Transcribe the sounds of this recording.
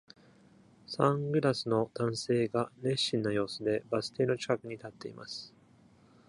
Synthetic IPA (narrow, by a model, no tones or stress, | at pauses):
sãŋɡɯ̟ɾasɨno̞d̪̥ãɰ̃se̞ːɡaɾe̞ɕːĩnːojo̞ːsɨd̪e̞basɨ̥t̪e̞ːno̞t͡ɕi̥kakɯ̟ɲ̟it̪at̪ːe̞ima̰sɨ̥